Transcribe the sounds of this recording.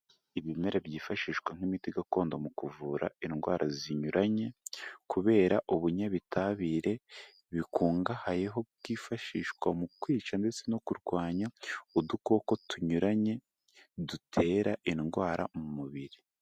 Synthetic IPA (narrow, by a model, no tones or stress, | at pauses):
iβime̞ɾabjiːfaʃiːʃkwaŋ̥imitiɡako̞ːndomukuvuːɾa̰inɡwa̰ːɾʔaziɲuɾʔaɲe̞kuβe̞ːɾaʔuβuɲaβitʰaβiːɾe̞ | βikuːŋɡahaje̞ɦo̞bɡ̥iːfaʃiːʃkwamukwiːt͡ʃande̞t͡se̞no̞kuɾɡwaːɲaudukoko̞tuɲuɾaɲe̞ | dutʰe̞ːɾaʔinɡwaːɾa̰mumuβiɾi